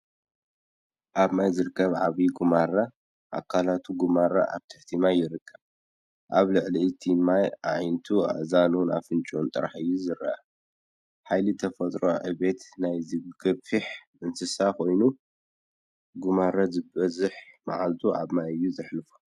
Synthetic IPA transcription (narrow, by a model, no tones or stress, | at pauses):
ʔaβmajzɨɾɨkːɐβʕaβiɡumaɾa | ʔa̰kʰalat̪ʰuɡumaɾa̰ʔa̰βt̪ʰɨħt̪ʰimajːɪɾɨkʰːɐβ | ʔaβlɨʕliɨt̪ʰimajʔajnt̪ʰua̰zanuna̰fɨnt͡ʃʼont̪ʼɨ̰ɾħɨjːuzɨɾa̰ʔa | ħajlit̪ʰɐfɐt̪ʼɾoʕɨβe̞t̪najzɨɡ̥ɐβfɨħ | ɨnsɨsakʰo̞jnu | ɡumaɾazɨbɐzɨħma̰ʕalt̪ʰuʔa̰βmajɨjːuzɨħlɨfu̥